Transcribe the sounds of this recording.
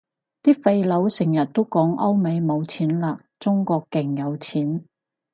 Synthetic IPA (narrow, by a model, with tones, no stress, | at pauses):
t̪iː˥fe˧jlɐ˨˥wsɪ˨˩ŋjɐ˨˩t̚t̪o˥wkɔː˨˥ŋʔɐ˥wme˨˧jmo˨˧wt͡sʰiː˨˥nlaː˧ | t͡sʊ˥ŋkɔː˧kkːɪ˨˩ŋjɐ˨˧wt͡sʰiː˨˥n